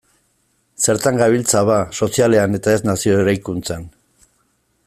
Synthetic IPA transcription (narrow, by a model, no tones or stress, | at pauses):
se̞ɾt̪aŋɡaβilt͡saβaso̞siale̞ane̞t̪ae̞znasio̞eɾajkunt͡san